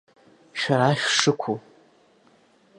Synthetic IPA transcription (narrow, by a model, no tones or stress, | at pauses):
ʃᶣaɾaʃᶣʂɨkʷʰu